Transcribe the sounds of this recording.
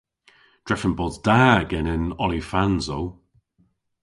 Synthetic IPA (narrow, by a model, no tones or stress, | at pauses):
d̥ɹɛfənbɔdzd̥aːɡɛnɪnɔlifanzow